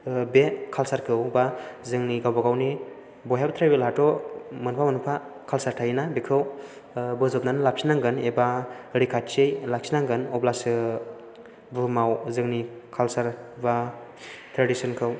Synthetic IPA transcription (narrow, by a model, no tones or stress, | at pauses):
bekʰalsaɾkʰɯwbazɯŋniɡawbaɡawni | bɔjabtʰɾajbelɦatɔmɯnpʰamɯnupʰakʰalsaɾtʰajinabikʰɯw | bɯzɔp̚nanlap̚sinaŋɡɯnebaɾikʰat̚t͡ʃejlak̚sinaŋɡɯnɔblasɯ | bɯmawzɯŋnikʰalsaɾba | tʰɾedisɯnkʰɯw